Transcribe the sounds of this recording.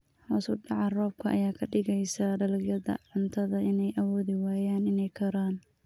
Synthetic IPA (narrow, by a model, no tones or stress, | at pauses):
hɐ̰sʊɖɑʕɑrɔːb̚kʰɐʔɐ̰jaːkʰɐɖɪɣɛjsɐɖɐlɐɣjɐðɐ̰ʕʊnt̪ʰɐðɐʔɪnɛjʔɐwɔːðɪwaːjaːnɪnɛjkʰɐɾaːn